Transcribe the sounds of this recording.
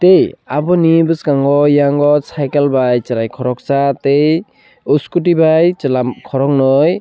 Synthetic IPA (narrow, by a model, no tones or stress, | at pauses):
tejabɔnibɯskaŋɡɔjaŋɔsajkalbajt͡ʃɯɾajkʰɔɾɔk̚t͡ʃatej | uskut̬ibajt͡ʃɯlamkʰɔɾɔŋnɔj